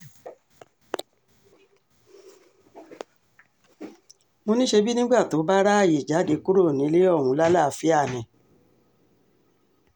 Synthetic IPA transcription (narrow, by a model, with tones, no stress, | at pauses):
mo˧nĩ˦ʃe˧bi˦nĩ˦ɡ͡ba˦˨to˨˦ba˦ɾa˦˨ji˨d͡ʒa˨˦de˨˦ku˦ɾo˦˨nĩ˨˦le˦ɔ˦˨ũ˧˦la˦la˦˨˦fi˦a˦˨nɛ̃˨